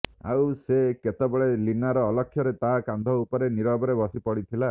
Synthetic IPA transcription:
a̰wseket̪ebeɭelinaɾɔːlɔkʰːjɔɾet̪akand̪ʱɔupɔɾeniɾɔbɔɾebɔsipɔɽit̪ʰila

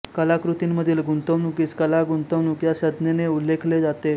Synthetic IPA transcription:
kəlakɾut̪imməd̪ʱiːlɡunt̪əʋnukiːskəlaɡunt̪əʋnukjaɕəd̪neneulːekʰled͡zat̪e

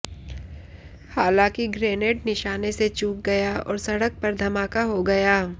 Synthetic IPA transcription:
haːlãːkiɡɾeːneːʈ̚nɪʃaːneset͡ʃuːk̚ɡɐjaɔ̰ːɾsɐɽək̚pɐɾd̪ʱɐmaːkaɦoɡɐjaː

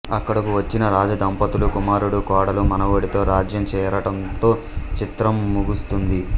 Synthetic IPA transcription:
ɐkːɐɽɐkuʋɐt͡ʃːinɐɾaːd͡ʒɐd̪ɐmpɐt̪ulukumaːɾuɽukaːɽɐlumɐnɐʋoːɽit̪o̞ːɾaːd͡ʒjɐmt͡ʃɛːjɐɾɐʈɐnt̪o̞ː | t͡ʃit̪ɾɐmːuɡust̪und̪i

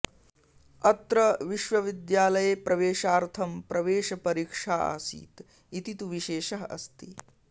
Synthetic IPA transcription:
ɐt̪ɾɐʋiʃʋɐʋid̪jaːlɐjepɾɐʋeːʃaːɾt̪ʰɐmpɾɐʋeːʃɐpɐɾiːkʂaːa̰ːsḭːt̪ | it̪it̪uʋiʃeːʃɐɦɐʔɐ̰st̪i

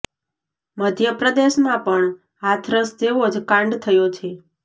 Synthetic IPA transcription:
məd̪ʱjəpɾəd̪eʃmãpəɳ | at̪ʰɾəsd͡ʒeʋod͡ʒkãɳɖt̪ʰəjot͡ʃʰe

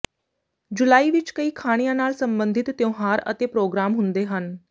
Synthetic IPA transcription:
d͡ʒʊlaːiːʋɪt͡ʃkəiːkʰaːɽ̃ijãːnaːlsəmbənd̪ʱɪt̪ːjõːɦaːɾə̰t̪eːpɾoːɡɾaːmɦʊnd̪eːɦən

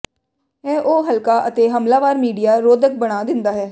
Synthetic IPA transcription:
ɛ̃ːʔoːɦəlkaːʔət̪eːɦəmlaːʋaːɾmiːɖijaːɾoːd̪ək̚bəɽ̃aːd̪ɪ̃nd̪aːɦɛː

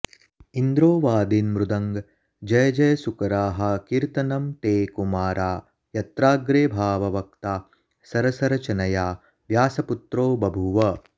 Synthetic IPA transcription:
ind̪ɾoːʋaːd̪inmɾud̪ɐŋɡ | d͡ʒɐjɐd͡ʒɐjɐsukɐɾaːɦɐ̆kiɾt̪ɐnɐmt̪eːkumaːɾaː | jɐt̪ɾaːɡɾeːbʱaːʋɐʋɐk̚t̪aː | sɐɾɐsɐɾɐt͡ʃɐnɐjaː | ʋjaːsɐput̪ɾoːbɐbʱuʋɐ

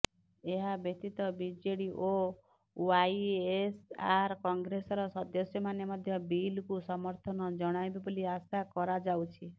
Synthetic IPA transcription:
eɦabet̪it̪ɔbid͡ʒeɽiʔo | wajesaɾkɔŋɡɾesɔɾɔsɔd̪ɔsjɔmanemɔd̪ʱjɔbilkusɔmɔɾt̪ʰɔnɔd͡ʒɔɽ̃ajbiboliasakɔɾad͡ʒawt͡ʃʰi

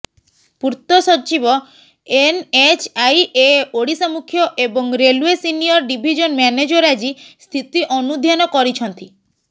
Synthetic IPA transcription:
puɾt̪ɔsɔt͡ʃibɔ | enet͡ʃʰajeoɽisamukʰjɔʔebɔŋɾeluesinijɔɾɖibʱid͡ʒɔnmɛned͡ʒɔɾad͡ʒist̪ʰit̪iʔɔnud̪ʱjanɔkɔɾit͡ʃʰɔnt̪i

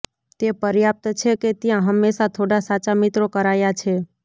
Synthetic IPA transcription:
t̪epəɾjap̚t̪t͡ʃʰeket̪jãɦəmːesat̪ʰoɽasat͡ʃamit̪ɾokəɾajat͡ʃʰe

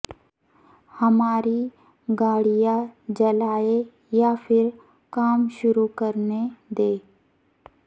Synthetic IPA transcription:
həmaːɾi | ɡaːɽijad͡ʒɐlaːe | japʰɪɾ | kaːmʃʊɾukəɾned̪eː

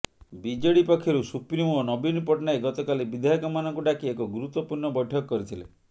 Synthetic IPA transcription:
bid͡ʒɔɽipɔkʰːjɔɾusupɾimonɔbinpɔʈnaeɡɔt̪ɔkalibid̪ʱaɦjɔkɔmanɔŋkuɖakiekɔɡuɾut̪wɔpuɾɳɔbɔjʈʰɔkɔkːɔɾit̪ʰile

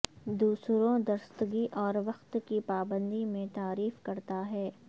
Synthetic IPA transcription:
d̪uːsɾõd̪ɐɾst̪ɡiʔɔːɾʋɐxt̪kipaːbə̃nd̪imẽt̪aːɾiːfkɐɾt̪aɦɛː

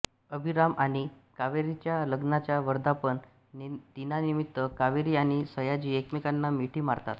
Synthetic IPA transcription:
əbʱiɾamaɽ̃ikaʋeɾit͡ɕjaləɡnat͡ɕjaʋəɾd̪apəɳ | t̪inanimit̪ːəkaʋeɾiaɽ̃isəjad͡ʑiːekmikanːamiʈʰiːmaɾt̪a̰t̪

